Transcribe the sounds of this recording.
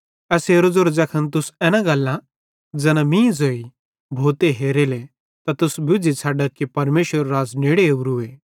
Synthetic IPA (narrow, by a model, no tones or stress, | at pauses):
ɛːseːɾod͡zoɾd͡zɐkʰənt̪̬ʊsɛːnãɡalːã | d͡zɛːnãmĩːd͡zoːi | bʱoːt̪eɦeːɾeːle | t̪at̪ʊsbʊd͡zit͡sʰaːɖɐkːipɐɾmeːʃəɾːaːd͡zneːɽeuɾʊeː